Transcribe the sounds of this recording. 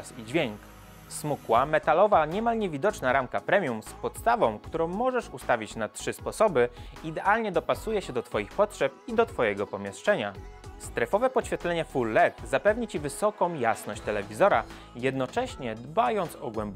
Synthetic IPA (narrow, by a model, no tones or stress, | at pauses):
sid͡ʑvʲjeŋk | smukwamɛt̪alɔvaɲɛmalɲevʲid̪ɔt͡ʂnaɾamkapɾɛmʲjumspɔt̪st̪avɔ̃w̃kt̪uɾɔ̃w̃mɔʐɛʂust̪avʲit͡ɕnatʂɘspɔsɔbɘid̪ɛʔalɲɛd̪ɔpasujɛɕɛd̪ɔt̪fɔjixpɔtʂɛp̚id̪ɔt̪fɔjɛɡɔpɔmʲjɛʂt͡ʂɛɲast̪ɾɛfɔvɛpɔɕfʲjɛt̪lɛɲɛfulːɛt̪zapɛvɲit͡ɕivɘsɔkɔ̃w̃jasnɔɕt͡ɕt̪ɛlɛvʲizɔɾa | jɛd̪nɔt͡ʂɛɕɲɛd̪bajɔnt̪sɔɡwɛmb